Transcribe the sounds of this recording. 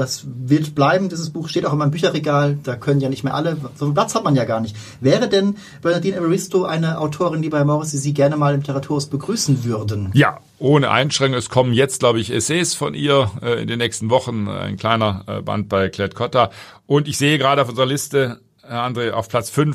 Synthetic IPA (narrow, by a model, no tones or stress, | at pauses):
d̥asvɪɐtb̥laɪbm̩diːzəsb̥uːxʃteːtaʊxɪmaɪmbyːçɐʁeɡaːld̥aːkʰœnənjaːnɪçtmeːɐʔaləzopl̥at͡shatmanjaːɡaːɐnɪçt | v̥ɛːʁədɛn | b̥œɐnadiːnʔɛməʁɪstoʔaɪnəʔaʊtʰoːʁɪndiːbaɪmɔʁɪsd̥iːziːɡɛɐnəmaːlɪmlɪtʰəʁatʰuːʁʊsb̥əɡʁyːsn̩vʏʁdənja̰ː | ʔoːnəʔa̰ɪnʃʁ̥ɛŋkʊŋɛskʰɔmənjɛt͡st̚ɡ̥laʊbəɪçḛseːsfɔnʔiːɐɪ̰ndeːnːɛːçstn̩vɔχn̩a̰ɪnkl̥aɪnɐba̰nt̚b̥aɪkʰl̥ɛtkʰɔta | ʔʊntɪçz̥eːəɡʁaːɾəaʊfʔʊnzəʁɐlɪstə | ʔandʁeːʔa̰ʊfpʰl̥at͡sfʏnf